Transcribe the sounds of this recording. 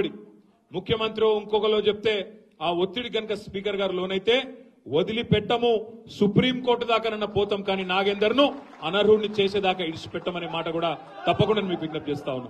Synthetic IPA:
ɽi | mukʰːjɐmɐnt̪ɾioːiŋkɔkɐlo̞ːt͡ʃep̚t̪e̞ː | aːot̪ːiɽiɡɐnɐkɐspiːkɐɾɡaːɾulo̞ːnɐjt̪e̞ː | ʋod̪ilipɛʈːɐmusupɾiːmko̞ːɾʈud̪aːkɐnɐnːɐpɔːt̪ɐmkaːninaːɡend̪ɐɾnu | ɐnɐɾuːɽnit͡ʃeːseːd̪aːkɐiɽisu̥pɛʈːɐmɐne̞ːmaːʈɐkuːɽaː | t̪ɐpːɐkuɳɖɐnimiːkuiɡ̪nɐp̚t͡ʃeːst̪aːwunːaː

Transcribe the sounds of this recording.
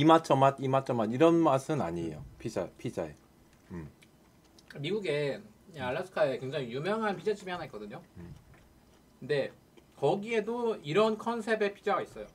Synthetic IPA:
imat͡ɕʰʌmadimat͡ɕʰʌmadiɾʌnmas͈ʰɯna̰ɲiḛjo̰pʰid͡ʑaepʰid͡ʑa̰ḛ | ɯm | miɡuɡe̞ | aɭːasʰɯ̥kʰae̞kwe̞ŋd͡ʑaŋijumjʌŋɦanpʰid͡ʑat͡ɕʰimiɦanaik͈ʌdɯɲo | kɯnde̞ | kʌɡie̞doiɾʌnkʰʌnsʰe̞be̞pʰid͡ʑaɡais͈ʌjo

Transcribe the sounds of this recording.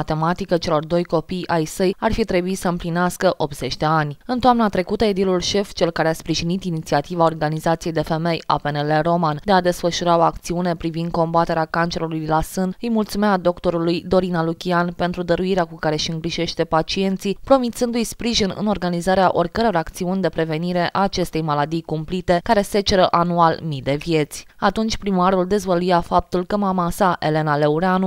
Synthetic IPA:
t̪e̞mat̪ikət͡ʃe̞lo̞rd̪o̞jko̞pijajsəjarfit̪ɾe̞buit̪səɨmplineaskəʔo̞pt̪z̥e̞t͡ʃʲd̪e̞anʲɨnt̪oamnat̪ɾe̞kut̪əed̪ilulʃe̞ft͡ʃe̞lkaɾeaspɾiʒinit̪init̪siat̪ivao̞rɡanizat̪sije̞jd̪e̞fe̞me̞ja̰pe̞neleɾo̞mand̪e̞ad̪e̞sfəʃuɾao̞akt̪siune̞pɾivind̪̚ko̞mbat̪e̞ɾeakant͡ʃe̞ɾulujlasɨnɨjmult̪sumead̪o̞kt̪o̞ɾulujd̪o̞ɾinalukʲianpe̞nt̪ɾud̪əɾuiɾeakukaɾe̞ʃiɨŋɡɾiʒe̞ʃt̪e̞pat͡ʃie̞nt̪sipɾo̞mit̪sɨnd̪ujspɾiʒinɨ̰no̞rɡanizaɾeaʔo̞rʲkəɾejoɾak̚t̪siunʲd̪e̞pɾe̞ve̞niɾe̞ʔaːt͡ʃe̞st̪e̞jmalad̪ijkumplit̪e̞kaɾe̞set͡ʃe̞ɾəʔanualmid̪e̞vje̞t̪sʲat̪unt͡ʃʲpɾimaɾuld̪e̞zvəlujafap̚t̪ulkəmamasaʔe̞le̞nale̞uɾeanu

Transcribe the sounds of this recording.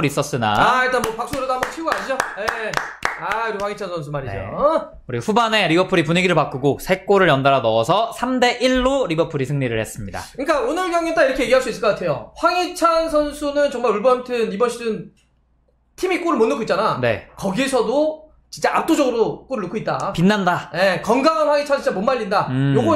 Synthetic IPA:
ɾis͈ʌs͈ɯna̰ait͈anmwʌpak̚s͈oɡɾedoambʌt͡ɕʰiuɡaɲid͡ʑojeaɯɾiɸwaŋit͡ɕʰansʰʌnsʰumaɾid͡ʑeo | uɾiɸubane̞ɾibʌpʰuɾipuɲiɡiɾɯɭpak͈uɡosʰe̞k͈oɾɯɭjʌndaɾanʌːsʰʌsʰamde̞ʔiɭːoɾibʌpʰuɾisʰɯŋɲiɾɯɭhe̞s͈ɯmɲidaa̰kɯɲik͈aonɯɭɡjaŋet͈aiɾʌkʰejeɡiɦaɭs͈uisɯɭk͈ʌatʰe̞joɸwaŋit͡ɕʰansʰʌnsʰunɯnt͡ɕʌŋmaɾuɭbʌntʰɯnibʌɕʰidɯn | tʰimik͈oɾɯɭmonːɯkʰoitt͡ɕ͈anane̞̰kʌɡiesʰʌdo | t͡ɕint͡ɕ͈aap̚t͈od͡ʑʌɡɯɾok͈oɾɯɭːɯkʰoit̚t͈apinːandaje̞kʌŋɡaŋanɸwaŋit͡ɕʰant͡ɕit͡ɕamonmaʎːindaɯjoɡʌ

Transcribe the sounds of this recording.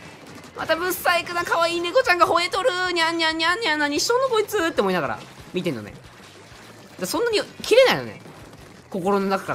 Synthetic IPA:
mʔa̰t̪abɯ̟̃sːaikɯ̟nakaβaiːneɡo̞t͡ɕãŋɡaɦo̞e̞t̪o̞ɾɯ̟ɲ̟ʲaɲʲːiaɲʲːiaɲʲːanːaɲiɕːo̞ːnːokoit͡sɨt̪ːeomoinaɡaɾa̰mʲit̪e̞nːonḛ | d̪asõ̞nːaɲ̟ikʲiɾe̞naino̰nḛ | ko̞ko̞ɾo̞no̞nakḁkaɾa̰

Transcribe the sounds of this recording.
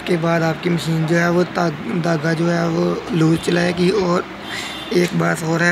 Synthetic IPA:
kebaːd̪aːp̚kiməʃiːnd͡ʒoːɦɛʋot̪d̪aːɡad͡ʒoːɦɛʋoluːɾt͡ʃɐlaːeɡiɔːɾ | eːkbaːt̪ɦoːɾaɦ

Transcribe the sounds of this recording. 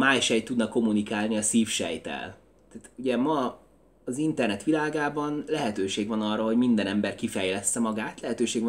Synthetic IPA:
maːjʃɛjt̪ːud̪nɒkːo̞munikaːlniɒsiːfʃɛ̰jt̪ɛ̰l | t̪aːt̪uɟɛmɒː | zint̪ɛrnɛt̪ʋilaːɡaːbɒnlɛɦɛt̪øːʃeːɡvɒnɒrːɒɦoɟmind̪ɛnɛmbɛrkifɛjlɛst̪ɛmɒɡaːt̪lɛɦɛt̪øːʃeːɡv

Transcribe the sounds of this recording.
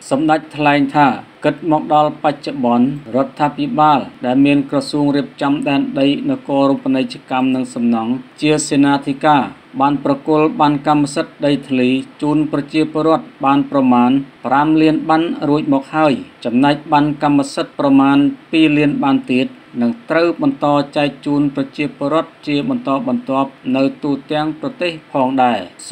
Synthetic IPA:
sɑmɗac̚t̪ʰlaɛŋt̪ʰaːkɨt̪̚mɔːk̚ɗɑlpac̚t͡ɕoɓɑnrŏət̪ʰːaːpʰiɓaːlɗaɛlmiənkrɑsuːəŋriəp̚t͡ɕɑmɗaɛnɗəjnɨwkoːɾumpːənət͡ɕəkamnɨŋsɑmnɑŋt͡ɕiəseːnaːt̪ʰikaː | ɓaːnprɑkʊ̆əlɓankamːasət̪̚ɗəjt̪ʰliːt͡ɕuːnprɑt͡ɕiəpŏəɾŏət̪̚ɓaːnprɑmaːnpramliənɓanruəc̚mɔːk̚haəjt͡ɕɑmnaɛk̚ɓankamːasət̪̚prɑmaːnpiːliənɓant̪iət̪̚ | nɨŋt̪rəwɓɑnt̪ɑːt͡ɕaɛk̚t͡ɕuːnprɑt͡ɕiəpoəɾŏət̪̚t͡ɕiəɓɑnt̪ɑːɓɑnt̪ŏəp̚nɨwt̪uːt̪ɛ̆əŋprɑt̪eːhpʰɑːŋɗaɛ

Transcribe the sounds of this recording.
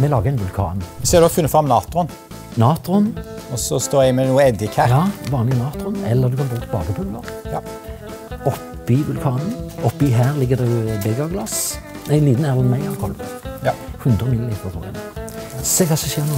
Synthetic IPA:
mɛlɑːɡəæɪnʋʉlkʰɑ̰ːnɔsɔɛɾd̪ɔfʉnːəfɾɑmnɑːt̪ɾʊn | nɑːt̪ɾʊnɔsɔst̪oːɾɛɪmɛnuːəɛd̪ɪkʰæjɑːʋɑːnlɪnɑːt̪ɾʊnɛlːəʁd̪ʉkʰɑnboːt̪ʰbɑ̰ːɡəpʰʊlːə̰ʁ | ɔpː | ɪʋʉlkʰɑːnənɔpːɪɦæːʁlɪɡːəd̪ɛbɛɡɑʋɡlɑs | æɪnliːt̪n̩æːʁlɑnmæɪɑʋkʰɔlp | hʉnd̪ʁəmɪlːəliːt̪əʁɑt̪ʰṵʁɪə̰n | seːkʰɑːsɔçeːʁnu

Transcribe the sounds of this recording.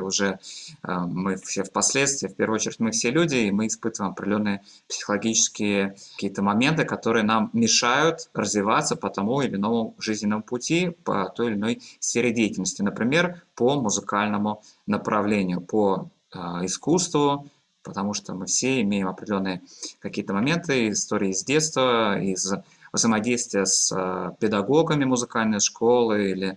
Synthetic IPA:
ʊʐɛ | mɨfsʲefpɐsʲlʲet̪st̪vʲɪːfʲpʲervəɨot͡ɕɪɾʲɪtʲmɨfsʲelʲudʲɪːmɨːspɨt̪əvəjɪmɐpɾʲɪdʲɪlʲo̞nːɨjəpsʲɪ̥xəlˠɐɡʲit͡ɕɪ̥skʲɪjəkʲijət̪əmɐmʲe̞nt̪ɨkɐt̪o̞ɾɨjənamːʲɪʂajʊt̪rəzvʲɪvat̪sːəpət̪ɐmuɪlʲɪno̞mʊʐɨzʲnʲɪnəmʊpʊtʲipə̰t̪o̞jɪlʲɪno̞jsfʲeɾʲɪdʲejɪtʲɪlʲnəsʲtʲɪnəpɾʲɪmʲe̞rpəmʊzɨkalʲnəmʊ | nəpɾɐvlʲenʲɪjʊpə | ɪskust̪vʊ | pət̪ɐmuʂt̪omɨfsʲeɪmʲejɪmɐpɾʲdʲɪlʲo̞nːɨjəkɐkʲijət̪əmɐmʲe̞nt̪ɨɪst̪o̞ɾʲɪːzʲdʲe̞t̪st̪vəiz | vzəjmɐdʲejst̪vʲɪjəspʲɪd̪ɐɡo̞ɡəmʲɪmʊzɨkalʲnəjʂkʰo̞lˠɨilʲɪ

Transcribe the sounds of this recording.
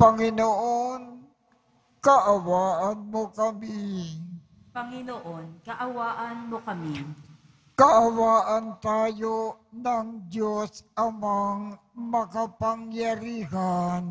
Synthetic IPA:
pɐŋɪnoʔon | kɐʔɐwaːʔɐnmokɐmi | pɐŋɪnoʔonkɐʔɐwaːʔɐnmokɐmi | kɐʔɐwaːʔɐnt̪aːjonɐŋd͡ʒosɐmaŋ | mɐkɐpɐŋjɐɾiːɦan

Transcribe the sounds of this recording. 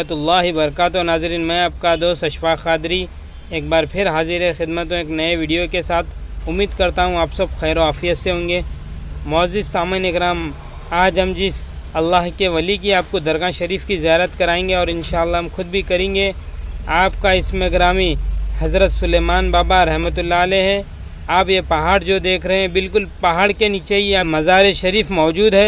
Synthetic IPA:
ɐt̪ʊlːaːɦibɐɾɐkaːt̪ɔɾnaːzɪɾiːnmɛ̃aːp̚kad̪oːst̪ɐʃʋaːxːaːd̪ɪɾi | eːk̚baːɾpʰɪɾɦaːziɾexɪd̪mət̪õeːknɐeʋiːɖijokesaːt̪ʰʊmːiːd̪kɐɾt̪aɦũaːpsɐbxɛːɾoaːfijət̪seɦõːŋɡeː | mɔːzɪsaːmenɪkɾaːm | aːd͡ʒɦɐmd͡ʒɪsɐlːaːɦkeʋɐlik̬iaːp̚kod̪ɐɾɣãʃɐɾiːfkizijaːɾət̪kɐɾaːẽːŋɡeɔːɾɪnʃaːəlːaɦɐmxʊd̪̚bʱikɐɾẽːŋɡeaːpkaɪsmeɡɾaːmihɐzɾət̪sʊleːmaːnbaːbaɾɐɦmət̪̬ʊlːaəleɦɛ̃ | aːpjepɐɦaːɽd͡ʒoːd̪eːkʰɾɐɦɛ̃bɪlkʊlpɐɦaːɽkeniːt͡ʃeamɐzaːɾeʃɐɾiːfmɔːd͡ʒuːd̪ɦɛː

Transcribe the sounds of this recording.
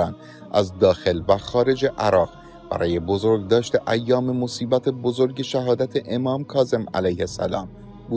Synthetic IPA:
æn | ʔæzd̪ɒːxe̞lvæxɒːɾe̞d͡ʒeʔæɾɒːɣ | b̥æ̰ɾɒːje̞bo̞zo̞ɾɡd̪ɒːʃt̪e̞ʔæjːɒːme̞mo̞siːbæt̪ʰe̞bozo̞ɾɟe̞ʃæɦɒːd̪æt̪ʰe̞ʔemɒːmkʰɒːze̞mæ̰læjhe̞sæ̰lɒ̰ːm | buː

